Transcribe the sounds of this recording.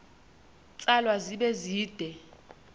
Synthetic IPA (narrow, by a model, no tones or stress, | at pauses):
t͡sʼalwaziɓɛziːd̥ʱɛ